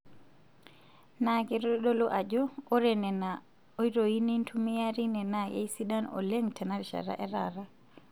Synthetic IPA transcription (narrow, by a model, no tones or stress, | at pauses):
naɡɛɾɔɗɔlɔʔad͡ʒɔɔɾɛnɛna | ɔjɾɔjinintʰumijaɾinɛnaɡɛ̰jsiɗanɔ̰leŋtʰɛnaɾʃa̰ɾa̰ʔɛɾaɾa